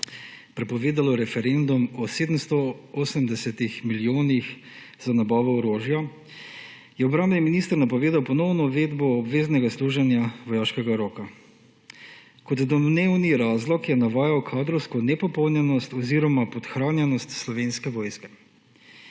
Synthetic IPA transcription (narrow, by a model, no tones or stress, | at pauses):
pɾɛpɔʋeːd̪alɔɾɛfɛɾend̪umɔseːd̪əmst̪ɔoːsəmd̪ɛsɛt̪ixmilijoːnix | zanabaːʋɔɔɾoːʒjɔ | jɛɔbɾaːmbniminiːst̪əɾnapɔʋeːd̪awpɔnɔwnɔuʋeːd̪bɔːbʋeːznɛɡasluːʒɛnjaʋɔjaːʃkɛɡaɾɔːka | kɔt̪d̪ɔneːwniɾaːzlɔkjɛnaʋaːjawkʰaːd̪ɾɔwskɔnɛpɔpɔwnjɛnɔst̪ɔziɾɔmapɔt̪xɾaːnjɛnɔst̪slɔʋeːnskɛʋɔːjskɛ̥